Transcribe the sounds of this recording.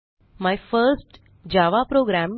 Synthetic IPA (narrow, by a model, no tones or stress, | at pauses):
majfəɾsʈ | d͡ʑaʋapɾoɡɾæm